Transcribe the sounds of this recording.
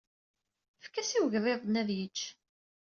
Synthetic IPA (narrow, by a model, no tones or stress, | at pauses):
fkːæsiwʝðˤeðˤnæðjət͡ʃː